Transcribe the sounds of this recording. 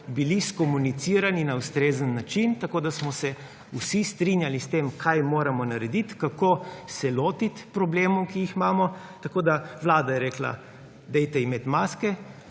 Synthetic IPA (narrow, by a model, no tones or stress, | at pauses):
biliskɔmunit̪siːɾaninaust̪ɾeːzənːat͡ʃint̪akoːd̪asmɔsɛ | usist̪ɾinjalist̪eːmkʰajmoːɾamɔnaɾɛd̪it̪kakoːsɛloːt̪it̪pɾɔbleːmuwkijixmaːmɔ | t̪akoːd̪aʋlaːd̪ajɛɾeːkla̰ | d̪ɛjt̪ɛimet̪maːskɛ